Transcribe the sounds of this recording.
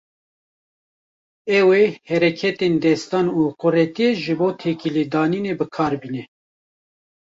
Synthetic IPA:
ɛwehɛɾɛkʰɛt̪end̪ɛst̪ɑːnuːqʊrɛt̪ijeʒɨboːt̪ʰeːkiled̪ɑːniːnebɨkʰɑːɾbiːnɛ

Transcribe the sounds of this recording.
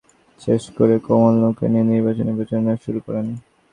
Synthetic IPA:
ʃeʃkoɾekomolːokḛnieniɾbat͡ɕonibet͡ɕonaʃuɾukɔɾen

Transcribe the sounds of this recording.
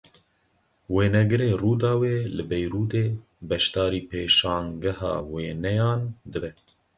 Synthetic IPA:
weːnɛɡɨɾeːruːd̪ɑːweːlɨbɛjɾuːd̪eː | bɛʃt̪ɑːɾiːpeːʃɑ̃ːŋɡɛhɑ̰ːweːnɛjɑːnd̪ɨbɛ

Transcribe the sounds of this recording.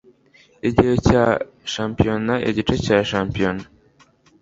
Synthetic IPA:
iɟejoca | ʃaːmpijonaʔḛɟit͡ʃecaːʃaːmpijona

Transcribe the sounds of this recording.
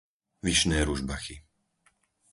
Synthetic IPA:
ʋiʃnɛːɾuʒbaxi

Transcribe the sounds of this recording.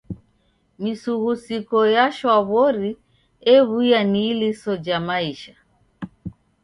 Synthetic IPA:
misuɣusikɔjaʃwaβɔɾi | ɛβuijanilisɔd͡ʒamaiʃa

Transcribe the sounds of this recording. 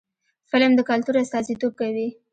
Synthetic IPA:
fɪlmd̪əkalt̪uɾast̪ɑzit̪ob̚kawi

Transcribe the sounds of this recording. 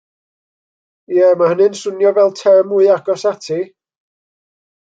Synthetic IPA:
jɛmahənɨnsʊnjɔvɛlˠtʰɛmuɨaɡ̥ɔsatʰi

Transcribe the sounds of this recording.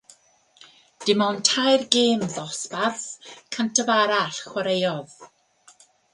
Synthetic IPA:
d̥ɪmɔntʰajrɡeːmðɔspaθkʰəntʰəvaɾaɬχwaɾejɔð

